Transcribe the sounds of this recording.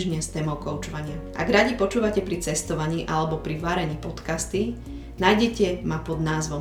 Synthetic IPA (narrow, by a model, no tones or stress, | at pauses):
ʒɲɛst̪ɛmɔʊkɔʊt͡ʃɔʋaɲɪaʔa̰ɡɾaɟipɔt͡ʃuːʋacɛpɾit͡sɛst̪ɔʋaɲiːʔalɛbɔpɾiʋaːɾɛɲiːpɔt̪kast̪i | najɟɛcɛmapɔd̪naːzʋɔ